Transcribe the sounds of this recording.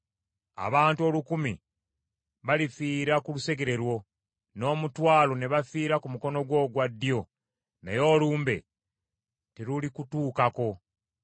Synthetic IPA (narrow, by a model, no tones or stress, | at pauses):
a̰βaːntuo̞lukumi | βalifiːɾakuluse̞ɡe̞ɾe̞ɾwo̞ | no̞ːmutwaːlo̞ne̞βafiːɾakumuko̞no̞ɡwo̞ːɡwadːjo̞ | na̰jo̞ːluːmbe̞̰ | teɾulikutuːkako̞